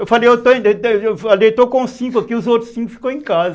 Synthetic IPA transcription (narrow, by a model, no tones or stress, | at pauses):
efalejet̪õefalejt̪okõsĩkuɐkiuzot̪ɾʊ̥sĩkʊfi̥kow̃ẽkazɐ